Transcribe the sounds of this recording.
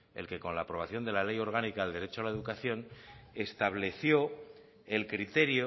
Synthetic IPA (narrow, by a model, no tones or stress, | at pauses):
e̞̰lke̞ko̞nlaːpɾo̞β̞aθjo̞nd̪e̞lale̞jo̞ɾɣ̞anikaeld̪e̞ɾe̞t͡ʃoalae̞ðukaθjo̞ne̞st̪aβle̞θjo̞ | e̞lkɾit̪e̞ɾjo